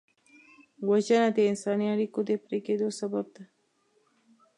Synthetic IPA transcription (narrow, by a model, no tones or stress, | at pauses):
wət͡ʃənat̪einsaniaɾikud̪epɾiked̪osəbəb̚t̪a